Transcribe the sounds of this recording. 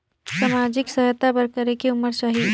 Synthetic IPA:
samad͡ʒɪksəɦət̪apəɾkəɾekeumːəɾsəɦi

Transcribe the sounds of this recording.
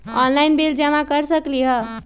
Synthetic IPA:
ɔnlaɪnbeld͡ʒamakəɾsəkliɦə

